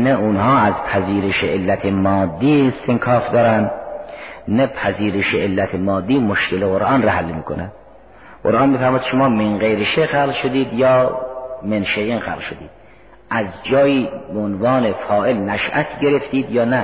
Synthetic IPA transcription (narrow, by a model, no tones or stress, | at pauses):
næunhɒːæzpʰæziːɾeʃeʔelːæt̪ʰemɒːd̪ːiːest̪ʰeŋkʰɒːfd̪ɒːɾænd̪ | næpʰæziːɾeʃeʔelːæt̪ʰemɒːd̪ːiːmoʃkeleɣoɾʔɑːnɾæɦalːemiːkʰonæd̪ | qo̰ɾʔɑːnmiːfæɾmɑːjd̪ʃomɑːmeŋɢejɾeʃexæːlʃod̪iːd̪jɒːmenʃejiːnxæ̰ːllʃod̪ḭːd̪̥ | ʔæzd͡ʒɒːjiːbeonvɑːnefɒːʔelnæʃʔæ̰t̪ʰɟeɾeft̪iːd̪jɒːnæ